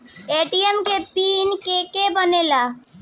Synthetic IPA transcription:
eːʈiəmkepiːnkeːkebənelaː

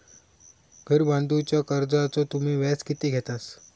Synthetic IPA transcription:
ɡʱəɾbãnd̪ut͡ɕjakəɾd͡zat͡sot̪um̤iːʋaskit̪eɡʱɛt̪as

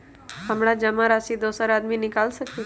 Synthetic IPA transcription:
ɦəmɽ̃ad͡ʒəmãɾasid̪osəɾad̪minɪkalʃəku

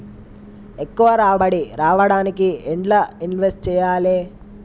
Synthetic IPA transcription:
ekːuʋɐɾaːbɐɽiɾaːʋɐɽaːnikieɳʈlɐinʋesʈ̚t͡ʃɛːjaːleː

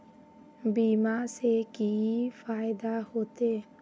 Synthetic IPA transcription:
biːmasekifaːjɪd̪ahoːt̪e

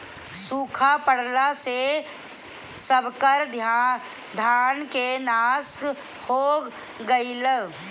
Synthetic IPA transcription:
suːkʰapəɽlase | səbkəɾd̪ʱ | d̪ʱaːnkenaːsk | hoː | ɡəiləɡ

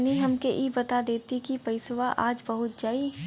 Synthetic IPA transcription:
niɦɐmkeʔibɐt̪ad̪eːt̪ikipɐɪsʋaʔaːd͡ʒbɐɦʊt̪̚d͡ʒaːi

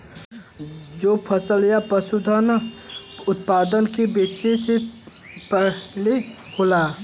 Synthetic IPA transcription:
d͡ʒoːpʰəsəljapəsud̪ʱən | ʊt̪paːd̪ənkebeːt͡ʃese | pəleholaː

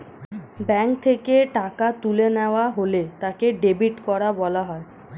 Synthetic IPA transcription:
bɛŋk̚t̪ʰekeʈakat̪uleneoaɦolet̪akeɖebiʈkɔɾabɔlaɦɔe

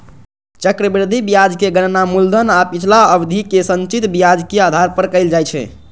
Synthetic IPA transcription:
t͡ʃəkɾəbɾɾd̪ʱibijad͡ʒkeɡənnamuld̪ʱənapit͡ʃʰlaəbd̪ʱikesənt͡ʃit̪bijad͡ʒkead̪ʱaɾpəɾkəɪld͡ʒajt͡ʃʰɛ̰

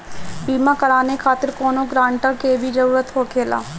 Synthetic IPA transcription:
biːmãkɐɾaːnekʰaːt̪ɪɾkɔːnõɡɾãːɳʈəkebʱid͡ʒɐɾuːɾət̪ɦokʰeːla̰ː

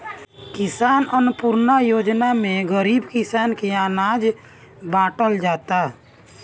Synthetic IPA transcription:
kɪsaːnənpuɾnajoːd͡ʒnamẽɡəɾiːbkɪsaːnkeaːnaːd͡ʒ | bãːʈəld͡ʒaːt̪a

